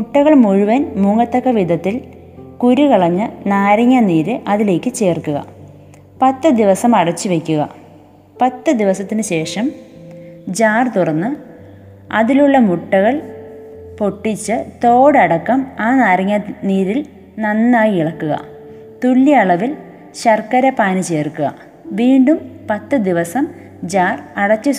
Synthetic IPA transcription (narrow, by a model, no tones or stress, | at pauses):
muʈːɐɣɐɭmuɻuʋɐnmuŋɐt̪ːɐkːɐʋid̪ʱɐt̪ːil | kuɾukɐɭɐɲːɐnaːɾɐŋːɐniːɾɨʔɐðile̞ːkʲːɨt͡ɕe̞ːrkːuɣɐ̰ | pɐt̪ːɨd̪iʋɐsɐmɐɽɐt͡ɕːɨʋe̞kʲːuɣɐ̰ | pɐt̪ːɨd̪iʋɐsɐt̪ːinɨɕe̞ːʂɐm | d͡ʑaːrt̪urɐnːɨ | ɐðiluɭːɐmuʈːɐɣɐɭ | po̞ʈːit͡ɕːɨt̪o̞ːɽɐɽɐkːɐmaːnɐɾɐŋːɐniːɾil | nɐnːaːjiiɭɐkːuɣɐ̰ | t̪uɭːiɐɭɐʋil | ɕɐrkɐɾɐpaːnɨt͡ɕe̞ːrkːuɣɐ̰ | ʋiːɳɖumpɐt̪ːɨd̪iʋɐsɐm | d͡ʑaːrɐɽɐt͡ɕːɨ